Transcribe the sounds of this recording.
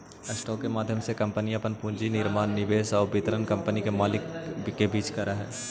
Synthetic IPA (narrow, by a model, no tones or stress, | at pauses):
ɐsʈɔːkːemaːd̪ʱjəmsekɐ̃mpəniɐpənpũːnd͡ʒinɪɾmaːnːɪʋeːsɔːbɪt̪ɾənkɐ̃mpənikemaːlɪkbɪkebiːt͡ʃkɐɾaɦɛ̰ː